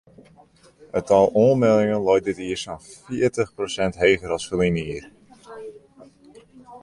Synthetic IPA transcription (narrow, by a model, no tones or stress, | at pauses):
ətɑlˠoːmɛlˠɪŋənlɔjt̚dɪtiərsanfɪərtəχprosɛntɦeːɣəɾɑsfəliniər